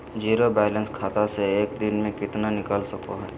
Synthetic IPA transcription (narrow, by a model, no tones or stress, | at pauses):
d͡ʒiːɾobɛːlə̃nskʰaːt̪aseeːk̚d̪ɪnmẽkɪt̪nanɪkəlsɐkoɦɛː